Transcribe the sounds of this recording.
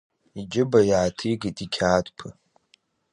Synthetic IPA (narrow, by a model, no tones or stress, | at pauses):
id͡ʒɪbajaːtʰiɡitʼikʲʰaːtʰʼpʰɨ